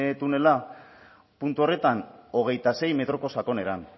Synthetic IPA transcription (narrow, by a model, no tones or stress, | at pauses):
t̪une̞la | punt̪uo̞re̞t̪ano̞ɣ̞e̞jt̪ase̞jme̞t̪ɾo̞ko̞sako̞ne̞ɾan